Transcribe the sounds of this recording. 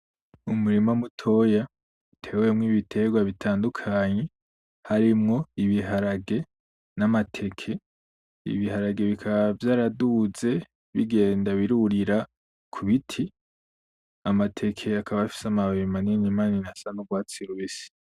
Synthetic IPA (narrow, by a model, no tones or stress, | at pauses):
umuɾimamutʰo̞ja | utʰe̞wemŋiːβitʰe̞ɡwaβitʰaːndukʰaːɲe̞ | haɾimŋo̞iβiɦaɾaɡe̞ | namatʰe̞kʰe̞ | ḭβiɦaɾaɡe̞βikʰaβavjaːɾaduze̞ | βiɡe̞ːndaβiɾuɾiɾa | kʰuβitʰi | amatʰe̞kʰe̞akʰaβaafi̥samaβemaninimaːninasanoɡwaːt͡siɾuβisi̥